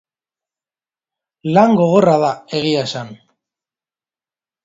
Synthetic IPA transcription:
laŋɡo̞ɣ̞o̞raðae̞ɣ̞iaesan

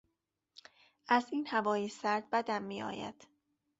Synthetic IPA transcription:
ʔæziːnhævɒːjesæɾd̪̚bæd̪æmːiːɒ̰ːjæ̰d̪̥

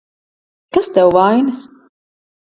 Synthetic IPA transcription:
kast̪ɛwvajnɨs

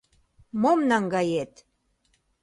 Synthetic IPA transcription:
momnɑŋɡɑjet̪

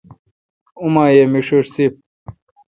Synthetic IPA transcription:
umaːjemiʂuʂsip̚

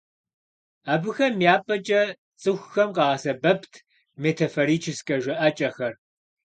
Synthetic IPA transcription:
aːbɨxɐmijaːpʼɐt͡ʃʼɐ | t͡sʼɨxʷxɐmqɑɐsɐbɐpʰtʰ | metʰɐfoɾiːt͡ʃʰɪskʼɐʒʷɐʔɐt͡ʃʼɐxɐr

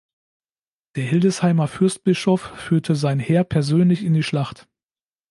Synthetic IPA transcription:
d̥eːɐhɪldəshaɪmɐfʏɐst̚b̥ɪʃɔfːyːɐtʰəzaɪnheːɐpʰɛɐzøːnlɪçɪndiːʃlaχt

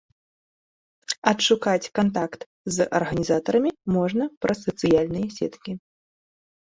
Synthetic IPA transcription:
ɐtʂukat͡sʲkant̪akt̪ | zɐ̰rɣɐnʲizat̪ɐɾɐmʲimɔʐnɐpɾɐsɐt̪sɨjalʲnɨjɛsʲɛ̰t̪kʲi

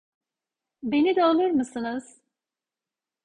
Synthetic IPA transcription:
be̞nid̪ɛolˠuɾmɯsɯnɯz̥

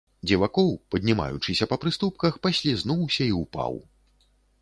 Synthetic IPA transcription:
d͡zʲɛvakɔwpɐd̪ʲnʲima̰jṵt͡ʂɨsʲɐpɐpɾɨst̪up̚kɐxpɐsʲlʲiznuwsʲɐiupa̰w

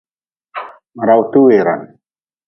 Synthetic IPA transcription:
ɾawt̪uweɾa̰n

